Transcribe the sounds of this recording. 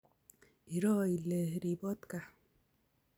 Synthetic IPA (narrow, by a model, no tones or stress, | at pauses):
iɾɔːilehɾibɔt̪ka